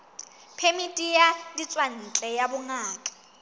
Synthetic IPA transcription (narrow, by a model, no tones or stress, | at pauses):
pʰemitʼijadit͡sʼwan̩t͡ɬʼɛjabʊŋaːkʼḁ